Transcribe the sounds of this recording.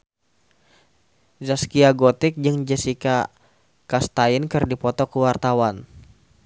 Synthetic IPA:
zaskiaɡot̪ɪk̚d͡ʒɨŋd͡ʒəsika | kast̪aɪnkɨrdipɔt̪ɔkəwart̪awan

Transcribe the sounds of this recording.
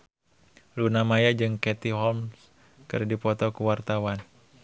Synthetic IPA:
lunamajad͡ʒɨŋkɛt̪iɦɔlms | kɨ̰rdipɔt̪ɔkəwart̪awan

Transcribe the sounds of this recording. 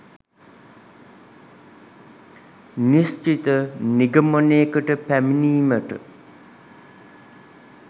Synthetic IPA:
nist͡ʃit̪əniɡəmoneːkəʈəpæminiːməʈə̰

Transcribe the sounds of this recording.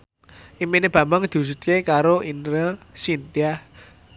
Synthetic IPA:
ʔimeneb̥ä̤mbaŋd̪̥ṳs̬ut̪kekaɾoʔinɾəsint̪ia

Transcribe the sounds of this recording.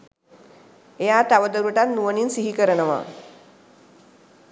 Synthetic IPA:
ejat̪aʋəd̪əɾuʈat̪nuʋəninsiɦikəɾənəʋa̰

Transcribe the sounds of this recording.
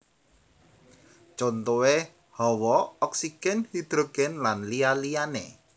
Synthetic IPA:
t͡ʃont̪owe | hɔwɔɔksiɡ̥ɛnhid̪̥ɾoɡ̥ɛnlanlialijanḛ

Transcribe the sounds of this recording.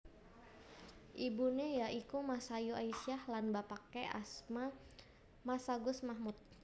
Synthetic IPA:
ʔibunɛjaikumasajuaisiahlanbapakɛʔa̰sma | masaɡʊsmahmut̪̚

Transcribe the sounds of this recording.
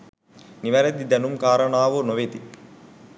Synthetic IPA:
niʋɐɾɐt̪id̪ɐnumkaːɾɐɳaːʋonoʋet̪i

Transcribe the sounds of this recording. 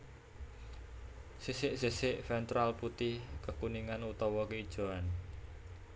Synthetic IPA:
sisɪʔsesɪʔfɛnt̪ɾalput̪ɪhkəkuniŋanut̪ɔwɔkəid̥ʒ̥o̤an

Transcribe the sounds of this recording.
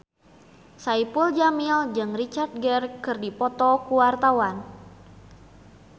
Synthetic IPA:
saipuld͡ʒamild͡ʒɨŋrit͡ʃart̪̚ɡɛrkɨrdipɔt̪ɔkuwart̪awan

